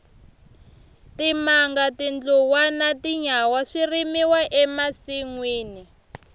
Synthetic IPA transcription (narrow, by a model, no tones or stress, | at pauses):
timaŋɡatind͡ɮuwanatiɲawaʂirimiwaʔɛmasiŋwiːni